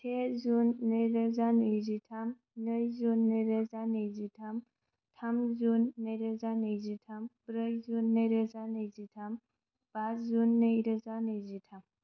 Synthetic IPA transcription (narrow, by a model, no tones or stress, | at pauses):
tʰezunːəjɾəzanəjzitʰam | nəjzunːəɾəzanəjzitʰam | tʰamzunːəjɾəzanəjzitʰambɾəjzunːəɾəzanəjzitʰam | b̥azzunːəjɾəzanəjzitʰam